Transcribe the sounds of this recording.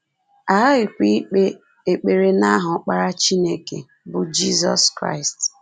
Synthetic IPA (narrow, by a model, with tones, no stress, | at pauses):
a˨a˦ɣɪ˨kʷi˦k͡pe˦ | e˨k͡pe˨ɾe˦na˦ɦʊ˨˦k͡pa˦ɾa˦t͡ʃi˦ne˦kḛ˨ | bʊ˨d͡ʒi˦zɔ̰˦skɾa̰˦ɪ˨st